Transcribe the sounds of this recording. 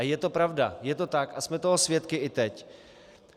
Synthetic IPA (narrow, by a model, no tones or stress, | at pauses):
ajɛt̪opɾavda̰jɛt̪o̞t̪akʔasmɛt̪oɦosvjɛt̪kɪʔɪt̪ɛc